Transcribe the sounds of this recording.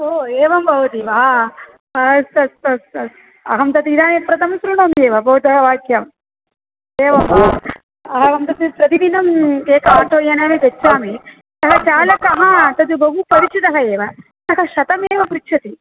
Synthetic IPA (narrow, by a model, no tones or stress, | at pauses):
oːeːʋɐmbʱɐʋɐt̪iʋaː | ɐsɐsɐs | ɐ̰ɦɐmt̪ɐt̪iid̪aːnipɾɐt̪ʰɐmɐsɾuɳɐmeːʋɐbʱɐːud̪ɐɦɐʋaːkjɐm | eːʋɐmbʱɐʋ | ɐɦɐɐmt̪ɐt̪ipɾɐt̪id̪inɐmkeːkɐmɐʈʰːoːjɐneːmit̪et͡ʃt͡ʃːaːmi | t̪ɐɦɐt͡ʃaːlɐkɐɦɐt̪ɐd̪ubʱɐɦupɐɾit͡ʃit̪ɐɦɐeːʋɐ | ɐkɐʃɐt̪ɐmeːʋɐpɾitʃʰɐt̪i